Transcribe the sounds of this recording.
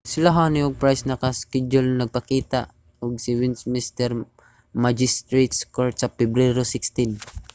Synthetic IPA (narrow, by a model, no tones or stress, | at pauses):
sɪlaɦanioɡ̚pɹajsnɐkaskɛd͡ʒʊlnɐɡ̚pɐkiːt̪a̰ʔ | ɔɡ̚sɪwɪnsmist̪ɛɾ | mad͡ʒɪst̪ɾet̪skoɹt̪sɐpɛbɾɛɾosɪkst̪ɪn